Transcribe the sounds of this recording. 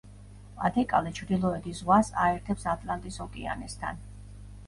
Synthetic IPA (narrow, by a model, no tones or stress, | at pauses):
a̰d̪ʰɛkʼa̰lɛt͡ʃʰɾd̪ilˠɔɛd̪izʁwasaɛɾt̪ʰɛpsat̪ʼlˠant̪ʼisɔkʼia̰nɛst̪ʰa̰n